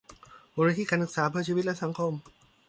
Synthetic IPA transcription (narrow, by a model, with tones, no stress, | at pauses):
boː˧ɾaː˧˥iː˧˥˨kaː˧nsɯ˨˩k̚saː˩˦pʰɯ˥˩ɐt͡ɕʰiː˧i˦˥t̪̚lɛ˥ʔsa˨˩˦ŋkʰo˧m